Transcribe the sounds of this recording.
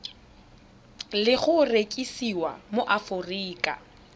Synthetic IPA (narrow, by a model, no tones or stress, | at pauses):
lɪχʊrekʼisiwa̰moʔafʊriːkʼa̰